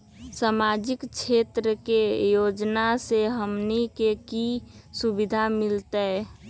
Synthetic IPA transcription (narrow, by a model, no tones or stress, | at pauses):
samad͡ʒɪkt͡ʃʰet̪ɾəkejod͡ʒnaseɦəmnikekisubid̪ʱamɪlt̪ə